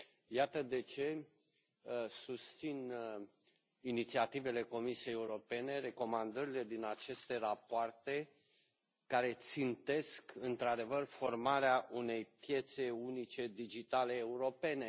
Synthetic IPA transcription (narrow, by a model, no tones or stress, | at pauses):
jat̪əd̪e̞t͡ʃe̞ | sust̪sin | init̪siat̪ive̞le̞ko̞misie̞jeuɾo̞pe̞ne̞re̞ko̞mand̪əɾile̞d̪inat͡ʃe̞st̪e̞rapoart̪e̞ | kaɾe̞t̪sint̪e̞skɨnt̪ɾad̪e̞vərfo̞rmaɾeaʔune̞jpje̞t̪se̞unit͡ʃe̞d̪id͡ʒit̪ale̞ːuɾo̞pe̞ne̞